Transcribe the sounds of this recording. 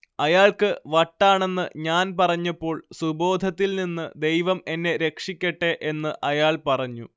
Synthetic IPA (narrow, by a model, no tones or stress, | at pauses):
ɐjaːɭkɨʋɐʈːaːɳe̞nːɨɲaːnpɐrɐɲːɐpːo̞ːɭsubo̞ːd̪ʱɐt̪ːilninːɨd̪e̞jʋɐme̞nːe̞ɾe̞kʂikʲːɐʈːe̞ʔe̞nːɨʔɐjaːɭpɐrɐɲːu